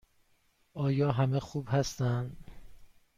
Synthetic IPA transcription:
ɒːjɒːɦæmexuːbhæst̪ænd̪

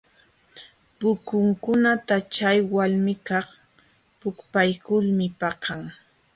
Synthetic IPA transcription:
pʊkʊŋkʊnat̪at͡ʃajwalmɪkɑχ | pʊkpajkʊlmɪpɑqʰaŋ

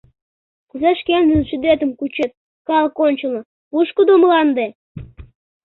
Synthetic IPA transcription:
kuzeʃkend̪ənʃyd̪et̪əmkut͡ɕet̪̚ | kɑlkonʲt͡ɕəlɤ̆ | uʃkud̪oməlɑnd̪e

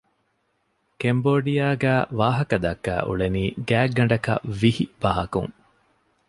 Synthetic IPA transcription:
kemboːɖijaːɡæːʋaːɦɐkɐd̪ɐkːæ̰ːʔṵɭeniːɡæːɡːɐɳɖɐkɐ̰ʋihib̥ɐɦɐkṵŋ

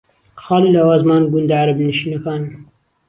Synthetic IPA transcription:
xɑːliːlɑːwɑːzmɑːnɡʊnd̪aʕaɾɐbnɨʃiːnɐkɑːn

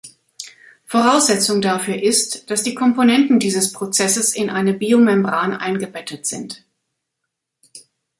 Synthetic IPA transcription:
foʁaʊsz̥ɛt͡sʊŋdafyːɐʔɪstd̥asd̥iːkʰɔmponɛntn̩diːzəspʁ̥ot͡sɛsəsɪnʔaɪnəbiːomɛmbʁaːnʔa̰ɪnɡəbɛtʰətz̥ɪnt

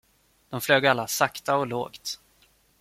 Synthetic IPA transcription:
d̪̥ɔmfløːɡalːasakt̪aɔlo̰ːkt̪

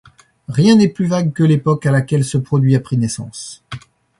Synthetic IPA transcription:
ʁjɛ̃nɛplyvaɡ̚kəlepɔkalakʲɛlsəpχɔd̪ɥiapχinɛsɑ̰̃s

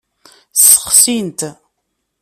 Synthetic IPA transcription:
sə̥χsint̪

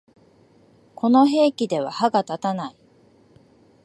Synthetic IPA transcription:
kʰo̞no̞ɦe̞ːkʲid̪e̞β̞a̰haɡat̪at̪anai

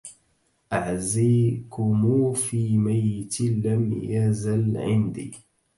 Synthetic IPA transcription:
ʔaʕziːkʊmuːfiːmajːɪt̪lamjazalʕɪ̰nd̪ḭː

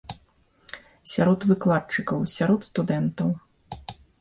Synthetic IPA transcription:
sʲaɾɔt̪vɨklˠat̪̚t͡ʂɨkɐwsʲaɾɔt̪st̪ud̪ɛnt̪ɐw

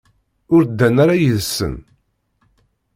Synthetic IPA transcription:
ʊɾd̪ːænaɾajəðsːə̰n

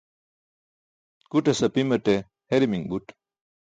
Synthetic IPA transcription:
kuʈesɐpimɐʈe | heɾimiŋbuʈ

